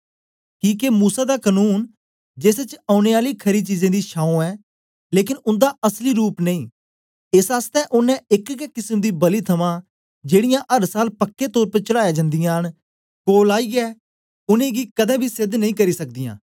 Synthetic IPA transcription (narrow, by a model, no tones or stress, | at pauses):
kiːkemuːsaːd̪aːkənuːn | d͡ʒeːset͡ʃaːʊneːaːliːkʰɐɾiːt͡ʃiːzẽːd̪iːʃaːũɛː | leːkɪnʊ̃nd̪aʔəsliːɾuːpneĩː | ɪsaːst̪ɛːʔʊnɛ̃ɪkkɛkɪsəmd̪iːbəliːt̪ʰɐmãː | d͡ʒeːɽɪjãːʔəɾsaːlpəkːet̪ɔːɾpət͡ʃəɽaːjaːd͡ʒə̃nd̪ɪjãːɦən | koːlaːiːɛː | ʊnẽːɡiːkəd̪ɛ̃ːbʱiːsɪd̪nəĩːk̬əɾiːsɐk̚d̪ijã̰ː